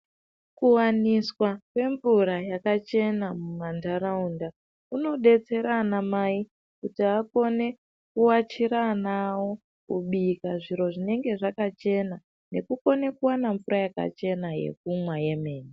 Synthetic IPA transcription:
kuwaniswakwe̞ɱvuɾajakat͡ʃe̞namumandaɾaunda | uno̞ɗe̞t͡se̞ɾanamai | kutiako̞ne̞ | kuwat͡ʃiɾanawo̞ | kṵɓikaʐiɾo̞ʐine̞ŋɡe̞ʐakat͡ʃe̞na | ne̞kuko̞ne̞kuwanaɱvuɾajaka̰t͡ʃe̞naje̞̰k̚umwaje̞me̞ːni

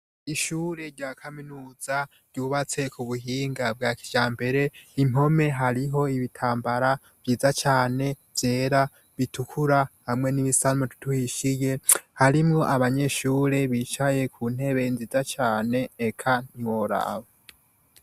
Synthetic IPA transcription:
iʃuːɾe̞ɾɟaːkʰaminuːz̥a | ɾɟ̥uːβat͡se̞kuβuɦiːŋɡab̚ɡaːki̥d͡ʒ̥aːmbe̞ɾe̞im̥ho̞me̞ɦaɾiɦo̞iβitʰaːmbaɾa | v̥jiːzat͡ʃaːne̞ | vje̞ːɾa | βitʰukʰuɾahamŋe̞niβisanmoti̥tʰuhiʃije̞haɾimŋo̞ʔaβaɲe̞ʃuːɾe̞βiːt͡ʃaje̞kʰuːn̥e̞βe̞inziːzat͡ʃaːne̞ːkʰaɲwo̞ɾa̰βo

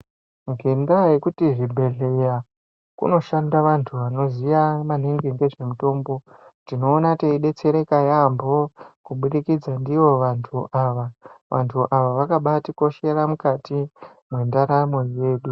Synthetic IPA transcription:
ŋɡeŋɡajekutiʐibʱe̞ɮe̞ja | kṵno̞ʃandaʋantʰuʋano̞zijamaniŋɡeŋɡe̞ʐe̞muto̞ːmbo̞tino̞ːnateiɗe̞t͡se̞ɾe̞kajambo̞kuɓuɗikid͡zandiʋo̞ʋantʰuʔaʋaʋantʰuʔaʋaʋakaɓatiko̞ʃe̞ɾamukati | mwendaɾamo̞je̞ːɗu

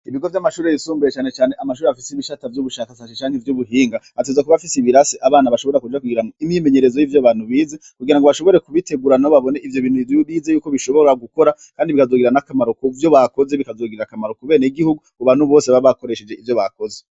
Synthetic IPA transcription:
iβiɡo̞vjamaʃuːɾeβisuːmbujet͡ʃaːnet͡ʃaːne̞ʔamaʃuːɾeafiseiβiʃatavjuβuʃakasasit͡ʃaːŋhevjuːβuɦiːŋɡa | atezakuβafisiβiɾasiʔaβaːnaβaʃo̞βo̞ɾakud͡ʒakuɡiɾamoimɲime̞ɲe̞ɾezojivjaβaːnhuβiːzekuɡiɾaŋɡoβaʃo̞βo̞ɾe̞kuβite̞ɡuɾanaβaβo̞ne̞ʔivjo̞βiːn̥huiujuβiːzejuːko̞βiʃo̞βo̞ɾaɡuko̞ɾakkaːndiβikazoɡiɾanakamaɾokovjo̞βako̞ze̞βikazoːɡiɾɾakamaɾokuβe̞ːneiɡihuɡukuβaːnuβo̞ːseβaiβako̞ɾe̞ʃed͡ʒe̞ʔivjo̞βakoze

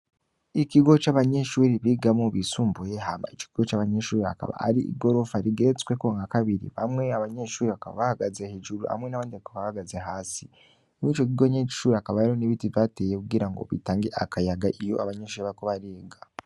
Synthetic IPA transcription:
ikiɡo̞t͡ʃaβaɲeʃuːɾiβiɡamoβisuːmbujeɦama̰it͡ʃo̥kiɡo̞t͡ʃaːβaɲeʃuːɾia̰ka̰βa̰a̰ɾiḭɡo̞ɾo̞faɾiɡe̞ɾet͡skwekuŋɡakaβiɾḭβamŋe̞aβaɲeʃuːɾiβakaβa̰βahaɡazehed͡ʒuɾua̰mŋe̞naβaːndiβakaβahaɡaze̞ɦaːsi | mit͡ʃo̞k̬iɡo̞ɲeɟi̥ʃuːɾiakaβaɾioniβitivaːteːjekuɡiɾaŋɡo̞̰βḭtaːŋɡe̞ʔakajaɡaʔijo̞̰aβaɲe̞ʃuːiβaɾikoβaɾeːɡa

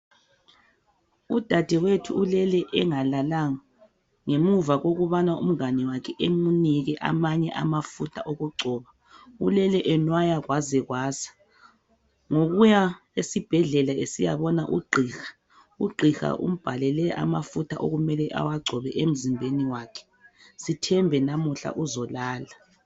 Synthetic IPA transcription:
ud̥ʱad̥ʱɛwetʰuulɛlɛʔɛŋalalaŋa | ŋemuvaɣoɣuβanaṵm̩anɛwakʰɛʔemuniɣɛʔa̰maɲɛʔamafutʰaʔoɣuɡ͡ǀʱɔːβa | ulɛlɛʔɛnwajaɣwazɛɣwaːzḁ | ŋoɣuja | esib̥ʱɛɮɛlaesija̰βɔnaʔuɡ͡ǃʱiːxḁ | uɡ͡ǃʱixa̰ʔṵm̩b̥ʱalɛlɛʔa̰mafutʰaʔo̰ɣumɛlɛʔa̰waɡ͡ǀʱɔβɛʔem̩zimbʱeniwaːkʰɛ̥ | sitʰɛmbʱɛnamuɬa̰ʔuzɔlaːla

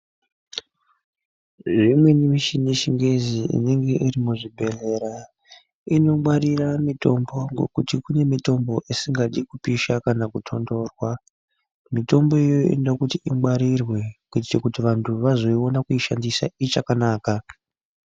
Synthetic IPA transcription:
ʐimwe̞nemiʃineʃiŋɡeziʔḭne̞ŋɡe̞ʔirimuʐibʱe̞le̞ɾa | ino̞mwaɾiramito̞mbo̞ŋɡo̞̰kutikune̞mito̞mbo̞ʔisiŋɡaɗikupiʃakanakutʰo̞ndo̞ːrwa | mito̞mbo̞ejoḛndakutiimwaɾirwe̞kuitit͡ʃekutiʋantʰuʋazo̞io̞nakuiʃandisa̰it͡ʃakanaːka

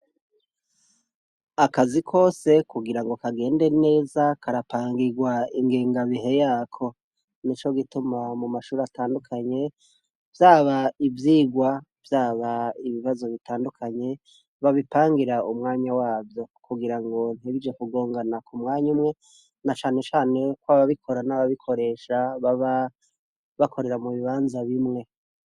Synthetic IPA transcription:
akazikʰo̞ːse̞kuɡiɾaŋɡo̞kaɡe̞ːnde̞ne̞ːzakaɾapaːŋɡiɡwaiŋɡeːŋɡaβiɦe̞jaːkʰo̞ | nit͡ʃo̞ɡitumamumaʃuːɾeataːndukʰaɲe̞ | vjaːβaivjiːɡwa | v̥jaːβaiβiβazo̞βitaːndukʰaɲe̞ | βaβipaːŋɡiɾaumŋaːɲawaːvjo̞kʰuɡiɾaŋɡo̞n̥hiβid͡ʒe̞kuɡo̞ːŋɡanakʰumŋaːɲumŋe̞ | nat͡ʃaːne̞t͡ʃaːne̞kwaβaβikʰo̞ɾanaβaβikʰo̞ɾe̞ʃaβaβa | βakʰo̞ɾe̞ɾamuβiβaːnzaβimŋe̞

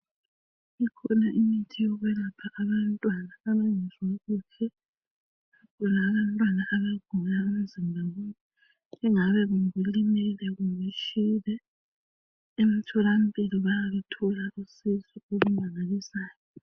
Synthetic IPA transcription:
ikʰɔnaʔimitʰijɔɣwɛlapʰaʔaβantʼwanaːβaŋɛzwaɣukʰɛ | akʰɔlaːβantʼwanaʔaβaɡ̥ʱulaemizimbʱawɛni | ɛŋaβɛɣuŋɣulimɛlɛɣuŋiʃiːlɛ | em̩tʰɔlam̩pʼiliβajaβɛtʰɔlaʔusizɔoɣumaŋalisaːjɔ

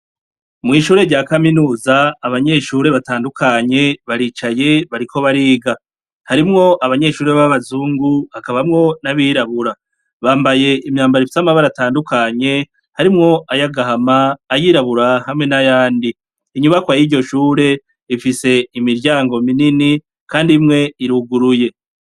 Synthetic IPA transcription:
mŋiːʃuːɾe̞ɾɟaːkaminuːzaːβaɲe̞ʃuːɾe̞βataːndukʰaɲe̞βaɾit͡ʃaje̞βaɾiko̞βaɾiːɡa | haɾimŋo̞ʔaβaɲe̞ʃuːɾeβaβazuːŋɡuakaβamŋo̞naβiɾaβuɾa | βaːmbaje̞imɲaːmbaɾifisamaβaɾataːndukʰaɲe̞ | haɾimŋo̞ʔajaɡaɦamaːjiɾaβuɾahamŋenajaːndiː | ɲuβakwajiɾɟo̞ʃuːɾe̞ | ifise̞imiɾɟaːŋɡo̞minini | kaːndimŋe̞iɾuɡuɾuje̞

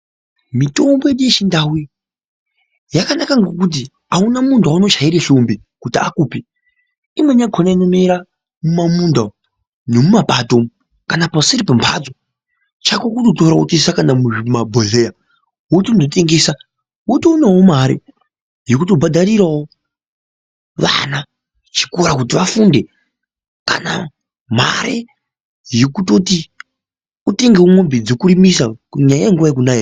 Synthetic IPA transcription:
mito̞mbojeɗijet͡ʃindawi | jakanakaŋɡok̬ut̬i | aunamundʱaunot͡ʃaiɾeɬumbi | kutia̰kuːpi | imweɲaɡʰʱonainomiɾa | mumamunda | nemumapatom | kanapasiɾipempʰa̰d͡zo | t͡ʃakokutotoɾautisakanamuimabʱoɮeja | ɦotondoteŋɡeːsa | wotiunawomaɾḛ | jokutobʱadʱaɾiɾawo | ʋa̰na | t͡ʃi̥koɾakut̬iʋafuːnde̞ | ka̰na | m̤a̰ɾḛ | jekutoti | ute̞ŋɡewomwombid͡zokurimisakuɲajajeŋɡuʋajek̬unae

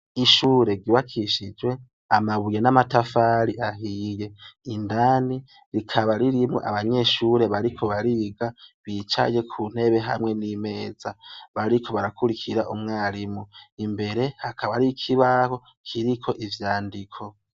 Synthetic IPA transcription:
iʃuːɾe̞ɡiwakʰiʃid͡ʒwe̞ | amaβuje̞namatafaɾiʔaɦije̞indani | ɾikʰaβaɾiɾimŋo̰ʔa̰βaɲe̞ʃuːɾe̞βaɾikʰo̞βaɾiɡaβiːt͡ʃa̰je̞kʰuːn̥e̞βe̞ɦa̰mŋe̞nime̞ːz̥aβaɾikʰo̞βaɾakuɾikʰiɾaʔumŋaːɾimuimbe̞ɾe̞hakʰaβaɾikʰiβaho̞ | kʰiɾikʰo̞ʔivjaːndikʰo̞

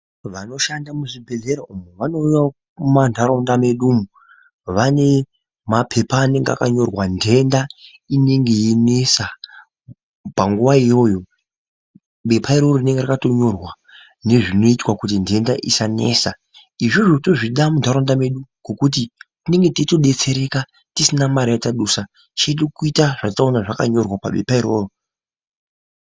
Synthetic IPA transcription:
ʋano̞ʃandamuʐibʱe̞ɮeɾaumuʋano̞ja | mantʰaɾondame̞ɗumu | ʋane̞ | mapʰe̞paːne̞ŋɡea̰kaɲo̞rwandʱe̞nda | ine̞ŋɡe̞jinesa | paŋɡuʋaijo̞jo̞ | ɓe̞pʰaiɾoɾorine̞ŋɡeɾakato̞ɲo̞rwa | ne̞ʐino̞itwakut̬inde̞ndaʔisane̞̰sa | iʐoʐoto̞ʐiɗamuntaɾondame̞ɗuɡo̞kut̬itine̞ŋɡe̞titoɗe̞t͡se̞ɾe̞ka | tisinamaɾijataɗusa | t͡ʃeɗukuitaʐ̥ataonaʐakaɲo̞rwapa̰ɓe̞paiɾo̞ːro

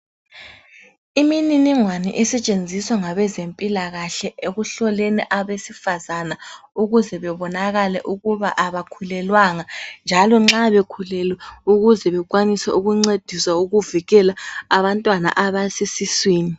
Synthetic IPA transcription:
imininiŋwanḭʔɛsɛt͡ʃʼend͡zʱiswaŋaβɛzempʼilaɣaɬɛʔeɣuɬɔleniʔaβesifazanauɣuzɛβɛβɔnaɣalɛʔuɣuβaʔaβakʰulɛlwaŋand͡ʒʱalɔŋ͡ǁaβekʰulɛlwɛuɣuzɛβɛɣ̬ʼwanisɛa̰ʔuɣuŋ͡ǀed̥ʱiswauɣuviɣɛlaaβantʼwana̰ʔaβasisiswiːni

